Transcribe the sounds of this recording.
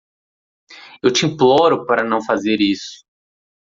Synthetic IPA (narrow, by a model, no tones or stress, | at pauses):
ewt͡ʃɪĩplɔɾʊpaɾɐnɐ̃w̃fazeɾisʊ̥